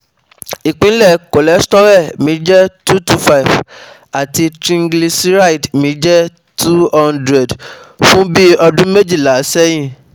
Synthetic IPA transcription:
i˨k͡pĩ˨˦lɛ˦˨ko˨lɛ˨˦stɔ˦ɾɛ˦˨mĩ˨˦d͡ʒɛ˦tu˦tu˧fa˦i˨f | a˨ti˧tɾĩ˧ŋ˦ɡli˧sɾa˦i˨dmĩ˨˦d͡ʒɛ˦ | tu˦hɔ˦ndɾɛ˨dfũ˦bi˦ɔ˧dũ˦me˦d͡ʒi˦˨la˨˦sɛ˦j̃ĩ˦˨

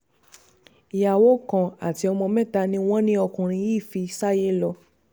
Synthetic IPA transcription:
i˨ja˨wo˨˦kã˨a̰˨ti˧˦ɔ˧mɔ̃˧mɛ̃˦˨ta˧nĩ˧˦w̃ɔ̃˦nĩ˦ɔ˧kũ˨ɾ̃ĩ˧ji˦˨fi˧sa˦je˦lɔ˧

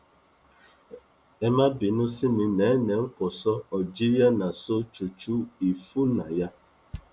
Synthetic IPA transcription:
e˦ma˦bi˨nʊ˦si˦mi˨ne˨˦ne˨ŋ̩˦kʊ˨sɔ˦ɔ˨d͡ʒi˦ja˦na˨so˦t͡ʃu˨t͡ʃu˦i˨fu˦na˨ja˦

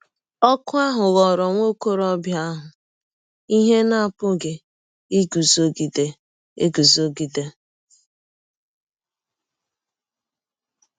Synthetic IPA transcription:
ɔ˦kʊ˦a˦ɦʊ˨ɣɔ˨ɾɔ˨ŋʷo˦ko˦ɾɔ˦bja˦ɦʊ˨ | i˦ɦe˦na˦a˦˨pʊ˦ɡe˨ | i˦ɡu˨zo˦ɡi˨de˨ | ḛ˦ɡu˨zo˦ɡi˨de˦

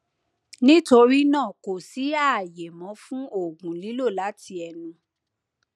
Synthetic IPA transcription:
nĩ˦to˧ɾi˦nãː˦˨ko˨si˨˦a˦˨je˨mɔ̃˨˦fũ˦o˦˨ɡũ˨li˨˦lo˦˨la˨˦tʰi˧ɛ˧nũ˧

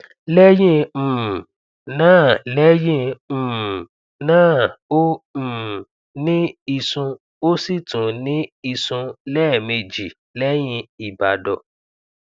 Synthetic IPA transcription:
lɛ˦jĩ˦˨ | nãː˦˨lɛ˦jĩ˦˧˨ | nãː˦˨õ˦˨ | nĩ˦i˧sũ˧ | o˦si˦˨tũ˨˦nĩ˦i˧sũ˧lɛː˦˨me˧d͡ʒi˨ | lɛ˦j̃ĩ˧i˨ba˨dɔ˨

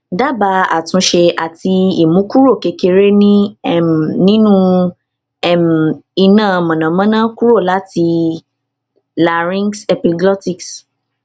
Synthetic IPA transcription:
da˦ba˧a̰˨tũ˧˦ʃe˧ʔa˨ti˧i˨mũ˨˦ku˦ɾo˦˨ke˨˧ke˧ɾe˦nĩ˦ɛ˦˨m˨nĩ˦nũ˦ | ɛ˦˨m˨i˧nãː˦˨˧mɔ̃˨nã˨˦mã˦nã˦ku˦ɾo˦˨la˨˦ti˧ | la˨ɾĩ˦ŋsɛ˧pi˧ɡɔ˦ti˦˨ks

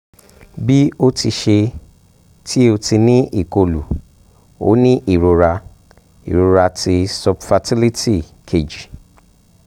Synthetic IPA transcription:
bi˦o˦ti˧ʃe˧ | tʰi˦o˧ti˧nĩ˦ʔi˦˨ko˧lu˨ | o̰˦nĩ˦ʔi˦˨ɾo˧ɾa˧ | ḭ˨ɾo˧ɾa˧ti˧sɔ˨bfa˧ti˦li˦ti˦˨ | kʰe˨d͡ʒi˨

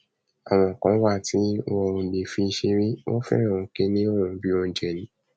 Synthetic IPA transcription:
a˨w̃ɔ̃˧˨kã˨˦wa˦˨ti˨˦wɔ˧o˧ni˨fi˧ʃi˧ɾĩ˦wõ̰˦fɛ̰˦ɾ̃ã˦˨ũ˨˧˦ke˦nĩ˦o˦˨ɾ̃ũ˨bi˦ɔ̃˧˦d͡ʒɛ˨nĩ˨˦

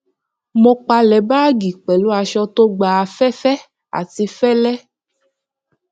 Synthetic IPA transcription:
mõ˧k͡pa˧lɛ˨ba˦ɡi˨k͡pɛ˨lu˦a˧ʃɔ˧t̪o˦ɡ͡ba˨fɛ˦fɛ˦ | a̰˨ti˧fɛ˦lɛ˦

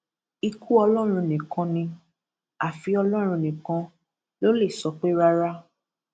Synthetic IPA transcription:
i˧kʰu˦ɔ˧lɔ˦˨ɾ̃ũ˧nĩ˨kã˧nĩ˧ | a˨fi˨˧ɔ˧lɔ˦ɾ̃ũ˧˨nĩ˨kã˧ | lo˦le˦˨sɔ˨˦k͡pe˦ɾa˦ɾa˦

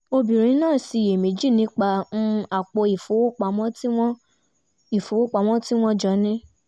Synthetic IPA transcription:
o˧bĩ˨ɾ̃ĩ˨˦nãː˦˨si˧˨je˨me˨˦d͡ʒi˦˨nĩ˦k͡pa˧n̩˦a˨k͡po˧i˨fo˨˦wo˦k͡pa˧mɔ̃˦ | i˨fo˨˦wo˦k͡pa˧˦m̃ɔ̃˦ti˦w̃ɔ̃˦d͡ʒɔ˧˦nĩ˦

